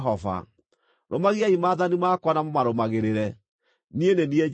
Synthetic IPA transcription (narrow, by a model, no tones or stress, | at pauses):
ɦɔva̰ | ɾomaɣiaimaːðanimaːkwanamomaɾomaɣeɾeɾɛ | nienenie